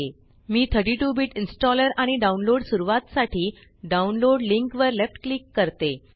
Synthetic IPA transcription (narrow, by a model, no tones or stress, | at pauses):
e | miːt̪ʰəɾʈiʈubiʈinsʈɔləɾaɽ̃iɖaunloɽsuɾuʋat̪saʈʰiː | ɖaunloɽliŋkʋəɾlefʈklikːəɾt̪e